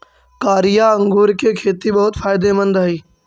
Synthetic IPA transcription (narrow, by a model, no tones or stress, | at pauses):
kaːɾijaɐ̃ŋɡʱoːɾkekʰeːt̪iɓɐɦʊt̪faːɪd̪emɐ̃nd̪aɦiː